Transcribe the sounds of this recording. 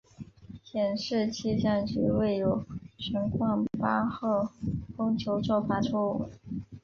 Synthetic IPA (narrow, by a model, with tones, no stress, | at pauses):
t͡ɕʰjɛ˨˩nʂɻ̩˥˧t͡ɕʰi˥˧ʈ͡ʂa˥˩nt͡ɕy̰˧˥we˥˩ɪjo˨˩ʊʈ͡ʂʰə˧˥ŋkʰwɑ˥˩ŋpa˥xɤ˥˩kʊ˥ŋt͡ɕʰjo˧˥ʊʈ͡ʂo˥˩ʊfa˥ʈ͡ʂʰu˥w̰